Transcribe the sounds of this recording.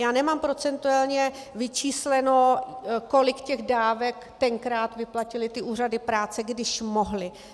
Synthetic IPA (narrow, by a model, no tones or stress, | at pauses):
jaːnɛmaːmpɾo̞t͡sɛnt̪ualɲɛ | vɪt͡ʃiːslɛno̞ko̞lɪkcɛɣdaːvɛkt̪ɛŋkɾaːt̪vɪplacɪlɪt̪ɪʔuːr̝adɪpɾaːt͡sɛɡdɪʃmo̞ɦlɪ